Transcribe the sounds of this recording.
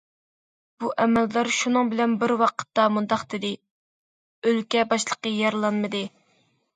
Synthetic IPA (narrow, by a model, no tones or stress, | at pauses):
b̥uʔɛmɛldæɾʃunɨŋbɪlɛnbɪɾwɑqʰə̥t̪ːɑmund̪ɑqd̪ɪd̪ɪ | ølkʲɛbɑʃlˠəqəjɑɾlˠɑnmɨd̪ɨ